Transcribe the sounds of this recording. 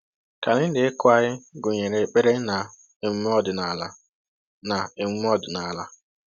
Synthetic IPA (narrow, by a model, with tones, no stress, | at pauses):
ka˨nɪ˦n̩˦dɪ˨ɪ˦kʊ˦a˨ɲɪ˦ɡʊ˨ɲe˨ɾe˨k͡pe˦ɾe˦na˨ | e˨m̩˦m˦ɔ˦˨dʊ˨na˨la˦ | na˨e˨m̩˦m˦ɔ˦˨dʊ˨na˨la˦